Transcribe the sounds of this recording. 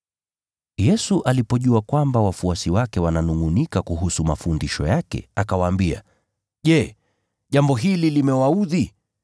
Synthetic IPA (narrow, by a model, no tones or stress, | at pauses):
jɛsuʔalipɔʄuakwambawafuasiwakɛwananuŋunikakuɦusumafundiʃɔjakɛ̰akawaːmbia̰ | ʄɛ | ʄambɔɦililimɛwauði